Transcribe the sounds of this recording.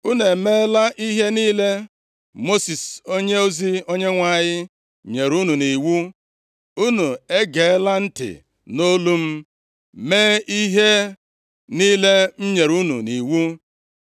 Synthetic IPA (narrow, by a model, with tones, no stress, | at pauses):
u˦ne˨meː˦la˦ʔi˦ɦe˦niː˦le˦ | mo˦si˨so˦ɲe˦o˦zi˦o˦ɲe˦ŋʷa˨ɲɪ˦ | ɲe˨ɾu˦nu˨ni˨wu˦ | u˦nu˨e˦ɡe˨e˦la˦n̩˦tɪ̰˨ | no˦lu˦m̩˦ | meː˦i˦ɦe˦ | niː˦le˦m̩˦ɲe˨ɾu˦nṵ˨ni˨wu˦